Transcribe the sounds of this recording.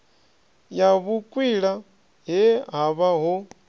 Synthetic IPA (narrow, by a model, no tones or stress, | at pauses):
jaβukʼwiɺa | ɦɛɦaβaɦɔ